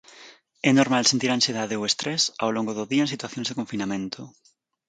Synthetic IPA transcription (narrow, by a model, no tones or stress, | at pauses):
ɛnoɾmalsent̪iɾãnsjeðaðeowest̪ɾɛsa̰wloŋɡoðoðiaẽnsit̪waθjõnzðekoɱfinamẽnt̪ʰo